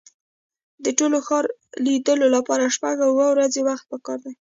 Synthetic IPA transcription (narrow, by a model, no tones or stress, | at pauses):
d̪əʈoloxɑɾlid̪əlolapɑɾaʃpaɡawːəwɾazewaxt̪̚pəkɑɾd̪aj